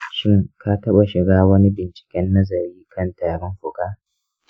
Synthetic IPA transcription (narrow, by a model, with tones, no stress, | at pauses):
ʃɪ˦ŋka˦tɐ˦ɓa˨ʃɪ˨ɡaː˦wɐ˦ni˦bɪ˨nt͡ʃɪ̥˨kʲɛ˦nːɐ˦zɐ˨ɾiː˦kʰɐ˦˨ntaː˨ɾɪ˦ŋkʷʊ˨ɡaː˦